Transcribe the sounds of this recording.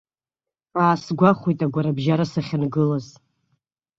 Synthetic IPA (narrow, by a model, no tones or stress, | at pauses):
aːsɡʷaχʷujtʼaɡʷaɾabʒaɾasaχʲanɡɨlaz